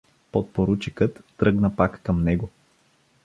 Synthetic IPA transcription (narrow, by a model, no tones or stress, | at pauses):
pot̪̚poɾut͡ʃikət̪ːɾɤɡnəpakːəmnɛɡo